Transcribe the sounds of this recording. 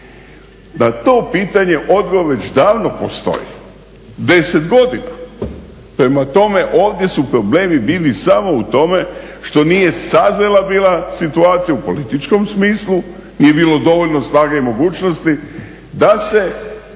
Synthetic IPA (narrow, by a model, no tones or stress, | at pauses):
nat̪o̞ːpiːt̪aɲe̞ʔo̞d̪ɡoɾʋe̞t͡ɕd̪aːʋnopost̪o̞̰jḭ | d̪e̞set̪ɡo̞d̪ina̰ | pɾe̞mat̪o̞me̞ʔo̞ːʋd̪je̞supɾo̞bleːmibiːlisamo̞ut̪o̞me̞ʃt̪o̞nije̞sazelabiːlasit̪uaːt̪sijaupo̞lit̪it͡ʃko̞msmiːslˠu | nije̞biːlo̞d̪o̞ʋo̞ʎnosnaːɡaimo̞ɡuːt͡ʃnost̪i | d̪ase̞